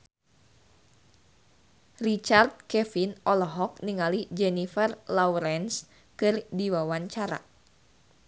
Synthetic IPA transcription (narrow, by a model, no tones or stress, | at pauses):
rit͡ʃart̪̚kɛfinʔɔlɔɦɔk̚niŋalid͡ʒɛnifɛrlawɾɛns | kɨrdiwawaɲt͡ʃaɾa̰